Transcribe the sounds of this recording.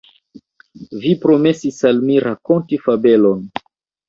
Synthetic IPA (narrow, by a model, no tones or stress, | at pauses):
vipɾo̞me̞sisalmiɾako̞ntifabe̞lo̞n